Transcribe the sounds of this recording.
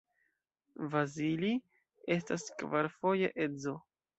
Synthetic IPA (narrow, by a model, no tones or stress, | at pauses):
vazili | e̞staskvaɾfo̞je̞̰ʔe̞zo̞